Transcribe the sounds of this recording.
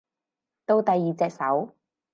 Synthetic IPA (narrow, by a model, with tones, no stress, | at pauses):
t̪o˧wt̪ɐ˨jːiː˨˩t͡sɛː˨k̚sɐ˨˥w